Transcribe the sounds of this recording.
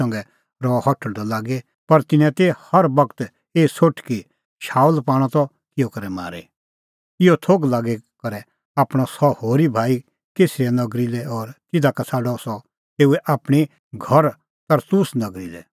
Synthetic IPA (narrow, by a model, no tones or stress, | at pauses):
ɐ̃ŋɡɛ | ɾɔhɔʈʰəɽd̪ɔlaːɡe | pɐɾt̪ɪnɛ̃t̪ehɐɾbɐkt̪ | eːsoʈʰki | ʃaːulpaːɽ̃ɔ̃t̪ɔ | kɪjɔkɐɾɛma̰ːɾḛ | ɪjɔt̪ʰoːɡlaːɡekɐɾɛ | aːpɽ̃ɔsɔhoːɾibʱaːi | keːsiɛnɐɡɾilɛɔːɾt̪ɪd̪akasʰaːɖɔsɔ | t̪eːuɛʔaːpɽ̃i | ɡʱɐɾ | t̪ɐɾt̪uːsnɐɡɾilɛ̰